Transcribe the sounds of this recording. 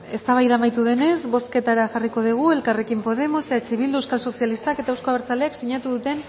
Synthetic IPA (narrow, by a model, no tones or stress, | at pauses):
e̞st̪aβ̞ajðamajt̪uð̞e̞ne̞sβo̞ske̞t̪aɾaʝariko̞ðiɣ̞ue̞lkare̞kimpo̞ðe̞mo̞set̪at͡ʃiβild̪uewskalso̞sialist̪ake̞t̪aewsko̞aβeɾt͡saleaksiɲat̪uðut̪e̞n